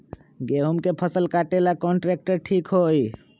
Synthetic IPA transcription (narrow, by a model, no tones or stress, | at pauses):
ɡeɦumkepʰəsəlkaʈelakɔɳʈɾek̚ʈəɾʈʰikɦoj